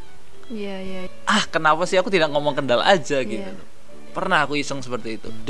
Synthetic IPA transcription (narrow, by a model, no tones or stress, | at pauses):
ja | ʔahkənapasɪakut̪idak̚ŋɔmɔŋkəndala̰d͡ʒaɡit̪ud̪ | pərnahakuisəŋsəpərt̪iːt̪ṵd